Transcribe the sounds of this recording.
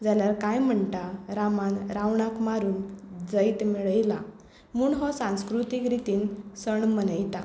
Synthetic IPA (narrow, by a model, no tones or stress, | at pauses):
d͡zaljaɾkajm̤əɳʈaɾamanɾawɳakmaɾuːnd͡zəjt̪miɭəjla | muːɳɦɔsãw̃skɾut̪ikɾit̪iːnsəɳmənəjt̪a